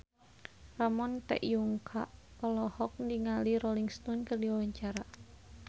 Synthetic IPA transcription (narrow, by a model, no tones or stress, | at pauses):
ramɔnt̪ɛ̰ʔjuŋkʰa̰ʔpəlɔhɔk̚ndiŋaliɾɔliŋst̪ɔnkərdiwawaɲt͡ʃaɾa